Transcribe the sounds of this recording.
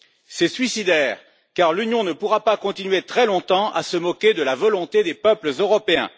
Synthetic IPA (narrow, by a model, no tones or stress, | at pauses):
sɛsɥisid̪ɛːʁ | kaʁlynjɔ̃nəpuʁapakɔ̃t̪inɥet̪χɛlɔ̃t̪ɑ̃ʔa̰səmɔkʲed̪əlavɔlɔ̃t̪ed̪epœpləzøʁɔpeɛ̰̃